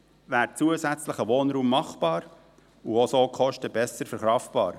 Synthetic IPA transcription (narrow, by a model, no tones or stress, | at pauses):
væːɾt͡suəzæt͡sləχəʋoːnɾuːmːɑχb̥ɑːɾ | uosoːkʰɔʃtəbɛsəɾfəɾχɾɑftb̥ɑ̰ːɾ